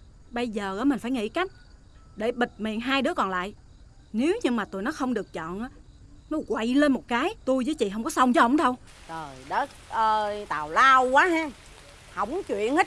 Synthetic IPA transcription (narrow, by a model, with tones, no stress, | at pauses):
ɓə˧jzəː˨˩ʔaː˨˦mï˨˩ŋ̟faː˧˩jŋḭ˧˥˨ka˦˥jk̟̚ | ɗe˧˩ɓï˨˩t̟̚mḭ˧˨nɦaː˧jɗɨ˨˦əkɔ˨˩nla̰ː˧˨j | ne˨˦wɲɨ˧ŋmaː˨˩t̪u˨˧˨jnɔ˨˦xə˧wŋ͡mɗɨ˨˩ək̚t͡ɕɔ̰˧˨nʔaː˨˦ | nɔ˨˦ɣwa˧˨jle˧nmo˨˩t̚kaː˨˦jt̪u˧jzəː˨˦jt͡ɕḭ˧˨ɦə˧wŋ͡mkɔ˨˦sə˧wŋ͡mt͡ɕhə˧˩˥ŋ͡mɗə˧w | zo˨˩jɗə˦˥t̚ʔəː˧t̪a̰ː˨˩wlaː˧wkwaː˨˦ɦɛː˧ | hə˧˩wŋ͡mt͡ɕwḭ˧˨ənhə˦˥